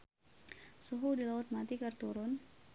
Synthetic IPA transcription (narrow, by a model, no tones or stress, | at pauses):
suɦudilaʊt̪̚mat̪ikərt̪uɾʊn